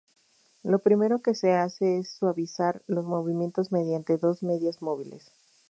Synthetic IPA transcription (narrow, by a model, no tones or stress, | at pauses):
lo̞pɾime̞ɾo̞ke̞se̞ase̞esːwaβisaɾlo̞zmo̞βimje̞nt̪o̞zme̞ð̞jant̪e̞ðo̞zme̞ðjazmo̞βile̞̰s